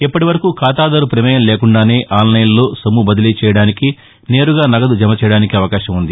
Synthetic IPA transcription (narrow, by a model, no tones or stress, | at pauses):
ipːɐʈiʋɐɾɐkukʰaːt̪aːd̪ɐɾupɾimɐjɐmleːkuɳɖaːne̞ːʔaːlnɐjɐllo̞ːsɐmːubɐd̪ɐliːt͡ʃɛːjɐɽaːniki | ne̞ːɾuɡaːnɐɡɐd̪ud͡ʒɐmɐt͡ʃɛjɐɽaːnikiɐʋɐkaːʃɐmund̪i